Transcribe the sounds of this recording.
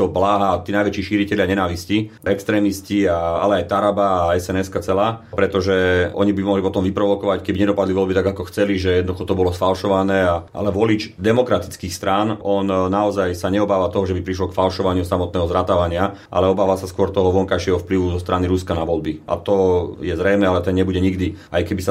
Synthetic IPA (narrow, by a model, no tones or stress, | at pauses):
t̪ɔblaːɦat̪iːnajʋɛt͡ʃiːʃiːɾicɛʎɪaɲɛnaːʋisciɛkst̪ɾɛːmisciaa̰lɛajt̪aɾabaːɛsɛnɛskat͡sɛlaːpɾɛt̪ɔʒɛɔ̰ɲibimɔɦlipɔt̪ɔmʋipɾɔʋɔkɔʋackɛbiɲɛd̪ɔpad̪liʋɔlbit̪aɡakɔxt͡sɛliʒɛjɛd̪nɔd̪uxɔt̪ɔbɔlɔsfalʃɔʋanɛːaʔa̰lɛʋɔlid͡ʒd̪ɛmɔkɾat̪i̥t͡skiːxst̪ɾaːnɔnnaɔzajsaɲɛɔbaːʋat̪ɔɦɔʒɛbipɾiʃ̬lɔkfalʃɔʋaɲɪusamɔt̪̚nɛːɦɔzɾat̪aʋaɲɪaʔa̰lɛɔbaːʋasaskʊɔɾt̪ɔɦɔʋɔŋkajʃɪɛɦɔfpliʋuzɔst̪ɾaniɾuskanaʋɔlbiʔa̰t̪ɔjɛzɾɛjnɛalɛt̪ɛnɲɛbuɟɛɲiɡd̪iajkɛbisa